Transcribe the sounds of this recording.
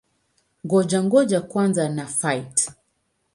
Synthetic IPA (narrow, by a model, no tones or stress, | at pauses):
ŋɡɔd͡ʒaŋɡɔd͡ʒakwanzanafajt